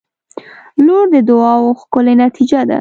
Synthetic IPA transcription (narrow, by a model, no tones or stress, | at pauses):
loɾd̪əd̪ʊɑwoxkʊlenat̪ʰid͡ʒad̪a̰